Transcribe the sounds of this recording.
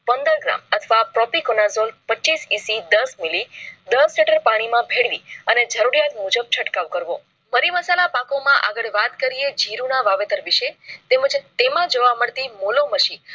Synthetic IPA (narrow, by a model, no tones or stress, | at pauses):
pənd̪əɾɡɾa̰mət̪ʰʋapɾɔpikonazolpət͡ʃisĩsid̪əsmilid̪əsliʈəɾpaɽ̃imãbʱeɽʋiəned͡ʒəɾuɾijat̪mud͡ʒəb̚t͡ʃʰəʈkaʋkəɾʋo | məɾiməsalapãkomãʔa̰ɡəɭʋat̪kəɾied͡ʒiɾunaʋaʋet̪əɾʋiʃet̪eməd͡ʒt̪emãd͡ʒoʋaməɭt̪imoloməʃi